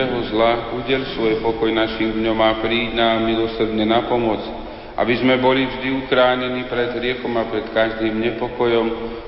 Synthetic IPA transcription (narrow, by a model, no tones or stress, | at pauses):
ɛɦɔzlauɟɪɛlsʋɔjpɔkɔjnaʃimd̪ɲɔmapɾiːɟnamilɔsrd̪ɲɛnapɔmɔt͡s | ʔa̰bizmɛbɔlivʒd̪iukɾaːɲɛniːpɾɛd̪ɦɾɪɛkɔmapɾɛt̪kaʒd̪iːmɲɛpɔkɔjɔm